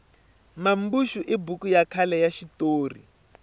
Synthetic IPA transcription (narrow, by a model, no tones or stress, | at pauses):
mambuʃuʔibukujakʰalɛjaʃitoːrḭ